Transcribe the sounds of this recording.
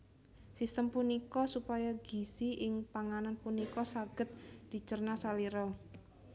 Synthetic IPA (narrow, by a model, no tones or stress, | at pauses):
sist̪əmpunikɔsupajaɡ̥isiʔɪŋpaŋananpunikɔsaɡ̥ət̪̚d̪̥i̤t͡ʃərnasaliɾɔ